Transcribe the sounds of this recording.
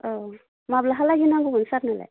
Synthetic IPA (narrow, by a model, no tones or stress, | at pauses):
ɔ | mablaɦalaɡinaɡubɔnsaɾnala̰j